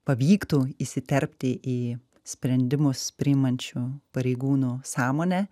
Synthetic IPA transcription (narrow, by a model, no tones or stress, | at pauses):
pɐʋʲiːkt̪uisʲɪt̪ʲɛɾʲpʲt̪ʲɪʔiː | sʲpʲɾʲɛnʲd̪ʲɪmʊspʲɾʲɪɪmɐnʲt͡ʃʲupɐɾʲɛɪɡuːnuːsɑːmoːnʲɛ